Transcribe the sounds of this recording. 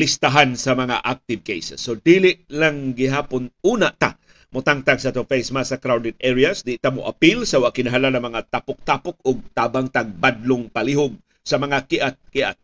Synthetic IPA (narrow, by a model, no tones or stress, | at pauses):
lɪst̪aɦansɐmɐŋa̰ʔak̚t̪ɪv̚kḛjsɛsːod̪ilɪʔlaŋɡɪɦaːpʊnʔuːnaʔt̪a̰ | mʊt̪aŋt̪aɡsat̪ofejsmasakɾawd̪ɪt̪̚ʔɛɾiasd̪ɪt̪amʊʔapilsawaʔkɪnaɦalanɐŋmɐŋat̪apʊk̚t̪apʊk̚ʊɡ̚t̪aːbaŋt̪aɡ̚bad̪lʊŋpaliɦʊɡ̚ | sɐmɐŋakɪʔat̪̚kɪʔa̰t̪̚